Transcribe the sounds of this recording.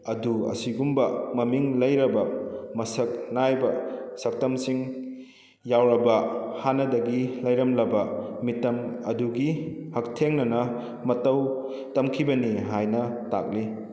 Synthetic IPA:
ɐduɐ̰siɡumbɐmɐmiŋlɐjɾɐbɐmɐsɐk̚najbɐsɐk̚tɐmsiŋ | jawɾɐbɐhanɐdɐɡilɐjɾɐmlɐbɐmitːɐmɐduɡihɐk̚tʰeŋnɐnɐ | mɐtɐw | tɐmkʰibɐniɦajnɐta̰k̚li

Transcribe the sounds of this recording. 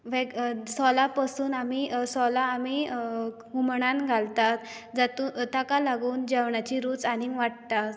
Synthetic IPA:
ʋɛɡsɔlapasuːnamisɔlaːmi | ɡumɳãnɡʱalt̪at̪d͡zat̪uːt̪akalaɡuːnd͡ʑɛʋɳat͡ɕiɾuːt͡saniʋaʈ̚t̪at̪

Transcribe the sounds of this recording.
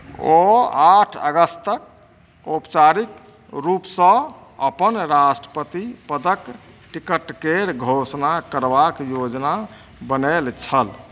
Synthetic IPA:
oaʈʰə̰ɡəst̪ək̚ | opt͡ʃaɾik̪ | ɾupsə̃ | əpənɾasʈɾəpət̪ipəd̪ək | ʈikəʈkeɾɡʱosnakəɾbakjod͡ʒna | bənelt͡ʃʰəl

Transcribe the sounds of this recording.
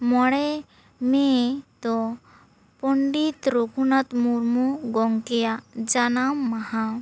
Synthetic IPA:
mɔɽɛ | met̪ɔ | pɔɳɖit̪ɾukʰunat̪muɾmuɡɔŋkejad͡ʒanamːaɦã

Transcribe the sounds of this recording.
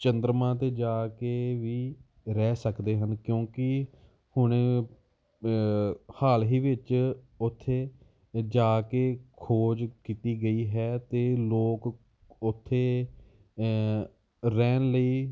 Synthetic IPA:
t͡ʃənd̪ɾmãːt̪eːd͡ʒaːkeːʋiː | ɾɛːsəkd̪eːɦənkjõːkɪ | hʊɳ̃e | haːlɦiːʋɪt͡ʃ | ʊt̪ʰːeː | d͡ʒaːkeːkʰoːd͡ʒkiːt̪iːɡəiːɦɛːt̪eːloːk | ʊt̪ʰːeː | ɾɛːnləiː

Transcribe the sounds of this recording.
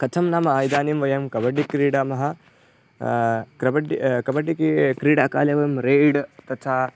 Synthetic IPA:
kɐt̪ʰɐmnaːmɐaːjd̪aːnimʋɐjɐmkɐbɐɖikɾiːɽɐmɐɦɐ | kɾɐbɐɖikɐbɐɖikikɾiːɽɐɐka̰ːlɐʋɐjɐmɾeːɖt̪ɐt̪ʰaː

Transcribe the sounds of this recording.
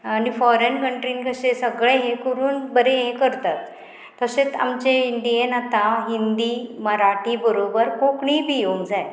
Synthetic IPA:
aɽ̃ifɔɾenkəɳʈɾiːnkəsesəɡɭeɦẽkəɾuːnbəɾeɦekəɾt̪at̪ː | əset͡sa̰mt͡ɕeiɳɖ̪ienat̪aɦind̪iːməɾaʈibəɾobəɾkokɳiːbijoŋd͡zaj

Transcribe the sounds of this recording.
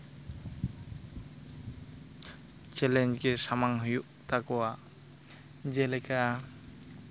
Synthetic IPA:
t͡ʃɛlɛnd͡ʒɡesamaŋɦujuʔt̪akɔwa | d͡ʒɛlɛka

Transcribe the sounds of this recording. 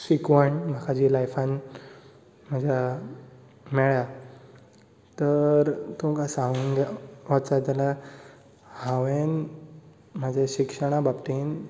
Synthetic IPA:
sikʋəɳm̤ʱakʰad͡ʑilajfãn | m̤əd͡ʑʱja | meɭja | t̪əɾt̪umkasãŋunɡaʋat͡sat̪ala | hãʋen | m̤əd͡ʑʱeɕikʂəɽ̃abapt̪iːn

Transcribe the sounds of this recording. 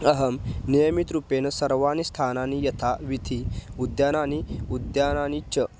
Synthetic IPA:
ɐɦɐmnijəmit̪ɾupenɐsɐɾʋaːnist̪ʰananijɐt̪ʰaʋit̪ʰiud̪janaːniud̪jaːnaːnit͡ʃə

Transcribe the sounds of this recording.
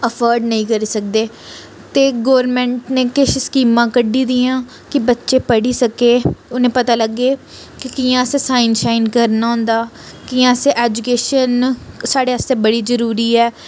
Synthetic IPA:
əpʰəːɾɖnəĩːkəɾiːsək̚d̪eː | t̪eːɡoːəɾmɛ̃ːɳʈneːkɪʃskiːmãːkəɖiːd̪iːãː | kɪbətːʃeːpəɽiːsəkeːʊnẽːpət̪aːləɡeː | kɪkijãːseːsaːɪnʃaːɪnkəɾnaːʊ̃ːnd̪aː | kijãːseʔɛːd͡ʒukeːʃənsaːɽeːəst̪ẽːbəɽiːzəɾuːɾiːɛː

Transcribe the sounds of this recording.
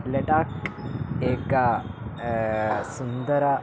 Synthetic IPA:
leʈak | eka | sund̪əɾa

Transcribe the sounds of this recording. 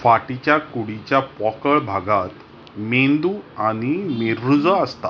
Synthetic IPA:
faʈit͡ɕjakuɽit͡ɕjapɔkəɭbʱaɡat̪ | mend̪uːaɽ̃imeɾːud͡zəəst̪a

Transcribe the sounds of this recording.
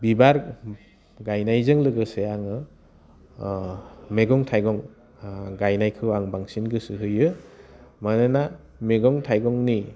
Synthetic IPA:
bibaɾ | ɡajnajzɯŋlɯɡɯseaŋɯ | meɡɔŋtʰajɡɔŋ | ɡajnajkʰɯwaŋbaŋsinɡɯsɯɦɯjɯ | manɯna | meɡɔŋtʰajɡɔŋni

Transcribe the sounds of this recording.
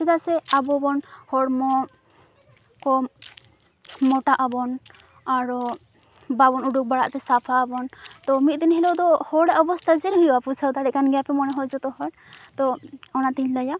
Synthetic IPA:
sɛd̪asɛabɔbɔnhɔɽmɔ | kɔ | mɔʈaʔabɔn | aɾɔ | babɔnuɖuk̚baɽaʔt̪ɛsapʰaːbɔnt̪ɔmit̪̚d̪inɦɛlɔwd̪ɔhɔɽɛʔɔbɔst̪ʰaziɾɦujapusʰawd̪aɽɛkanɡɛjapɛmɔnɛɦɔjd͡ʒɔt̪ɔɦɔɽ | t̪ɔɔnat̪iɲlaja

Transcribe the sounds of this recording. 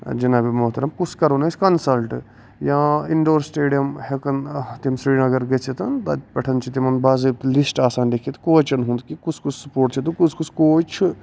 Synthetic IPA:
d͡ʒɐnabimoɦt̪ɐɾɐmkut͡ʃʰkɐɾoːnɐsʲkɐnsɐlʈ | jãiɳɖoːɾsʈeːɖijɐmhekɐnt̪imsɾiːnɐɡɐɾɡet͡ʃʰit̪ɐnt̪ɐ̰t̪pɐʈʰɐnt͡ʃʰit̪imɐnbaːzebt̪lisʈaːsaːnd̪ekʰiet̪koːt͡ʃɐnɦũnd̪kikut͡ʃʰkut͡ʃʰsɐ̥poːɾʈt͡ʃʰit̪ukut͡ʃʰkut͡ʃʰkoːt͡ʃʰ

